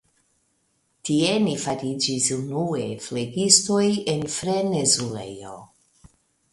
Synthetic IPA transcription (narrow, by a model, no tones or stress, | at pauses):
tie̞nifaɾid͡ʒisunue̞fleɡisto̞jenfɾenezulḛjo̰